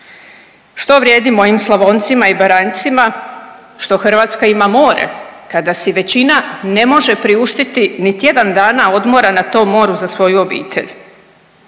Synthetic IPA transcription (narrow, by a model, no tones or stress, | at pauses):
ʃt̪o̞ʋɾʲje̞ːd̪imo̞ʋimslˠaʋo̞nt̪simaibaɾant̪sima | ʃt̪o̞xr̩ʋaːt̪skaimamo̞ːɾḛkad̪asiʋe̞t͡ɕinane̞mo̞ʒe̞pɾiuʃt̪it̪init̪je̞d̪and̪aːnao̞d̪mo̞ɾanat̪o̞ːmːo̞ːɾuzasʋo̞juo̞bḭːt̪ʰe̞̰ʎ